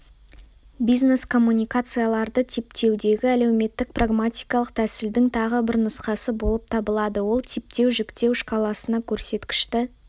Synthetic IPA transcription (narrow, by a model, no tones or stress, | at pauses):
bijzne̞skʰo̞mːunʲijkat̪sɨjalˠɑɾd̪ət̪ʰep̚t̪ʰe̞wd̪e̞ɡʲɪæle̞wme̞t̪ːɪk̚praɡmat̪ʲijkɑlˠəq̚t̪ʰæsɪld̪ɪŋt̪ʰɑʁəbɪɾnʊsqɑsəbo̞lˠəp̚t̪ʰɑbəlˠɑd̪əwo̞lˠt̪ʰep̚t̪e̞wʒɪkt̪e̞wʃqɑlˠɑsənɑkʲʰɵɾse̞t̪kʲɪ̥ʃt̪ɪ